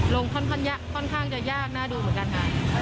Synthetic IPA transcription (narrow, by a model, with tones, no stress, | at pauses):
lo˧ŋkʰɔ˥˩nkʰɔ˥˩nja˦˥kʰːɔ˥˩nkʰaː˥˩ŋt͡ɕa˨˩jaː˥˩k̚naː˥˩duː˧mɯ˩˦nka˧nʔa̰ː˨˩